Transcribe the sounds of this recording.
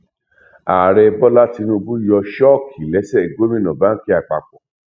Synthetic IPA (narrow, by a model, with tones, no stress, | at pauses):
a˨ɾɛ˧bɔ˦la˦ti˧nũ˧bũ˦jɔ˧ʃɔ˦˨kʰi˨lɛ˨˦sɛ˦˨ɡo˦mĩ˦˨nɔ̃˨ba˦n̩˦ki˦a˨k͡pa̰˨k͡pɔ˨